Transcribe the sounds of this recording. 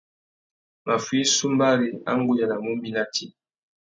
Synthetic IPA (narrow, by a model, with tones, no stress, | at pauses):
ma˨fwi˦su˦mba˦ɾi˨a̰˦ŋ̩˦ɡu˦ja˨na˨mu˦mbi˦na˦tʰi˦